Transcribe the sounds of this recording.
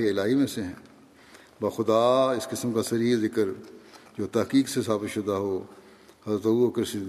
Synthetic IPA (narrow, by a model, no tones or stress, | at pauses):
eɪlaːɦimẽseɦɛ̰̃ː | bɐxʊd̪aːɪskɪsəmkasɐɾiːzɪkəɾd͡ʒoːt̪ɐɦkiːksesaːbɪt̪ʃʊd̪aɦoː | hɐzɾət̪ɐuːɐkəɾsɪ